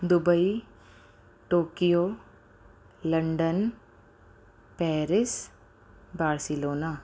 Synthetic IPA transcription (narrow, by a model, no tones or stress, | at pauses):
d̪ʊbəi | ʈoːkijoː | lɐɳɖən | pɛːɾɪs | baːɾsɪloːnaː